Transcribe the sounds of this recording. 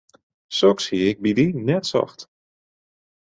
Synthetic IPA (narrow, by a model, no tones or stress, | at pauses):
sɔkshiɪɡ̚bidinɛtsɔ̰xt